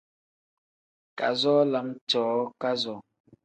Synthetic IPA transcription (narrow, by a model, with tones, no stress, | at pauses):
ka̰˨zɔː˦la˨˦ŋt͡ʃɔː˨˦ka˦zɔ˨